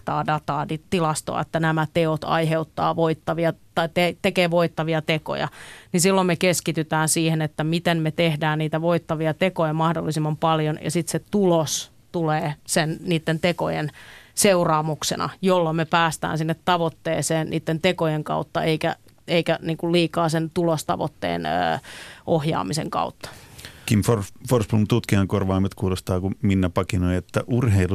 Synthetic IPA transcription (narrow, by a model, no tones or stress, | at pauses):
t̪ɑːdɑt̪ɑːdit̪ilɑst̪o̰ɑ̰ḛt̪ːænæmæt̪eot̪ɑ̰iɦeut̪ːɑ̰ːʋoit̪ːɑʋiɑt̪ɑit̪et̪ekeːʋoit̪ːɑʋiɑt̪eko̰jɑ̰ninsilːommekeskit̪yt̪æːnsiːhenet̪ːæmit̪emmet̪ehdæːnniːt̪æʋoit̪ːɑʋiɑt̪ekojɑmɑhdo̰lːisimːɑmpɑljonjɑ̰sit̪set̪ulos | t̪uleːsenniːt̪ːent̪eko̰jḛnseurɑːmuksḛnɑ̰jolːomepæːst̪æ̰ːnsinːet̪tɑʋot̪ːeːseːnnḭːt̪ːent̪ekojeŋkɑ̰ut̪ːɑeikæ̰ | eikæniːŋkulliːkɑːsent̪ulost̪ɑ̰ʋo̰t̪ːḛːnə̰ːʔohjɑ̰ːmiseŋkɑ̰ut̪ːɑ̥kimforforsplunt̪ut̪kiɑŋkorʋɑːmet̪kuːlost̪ɑːkuminːæpɑkinoiet̪ːæʔurɦeilu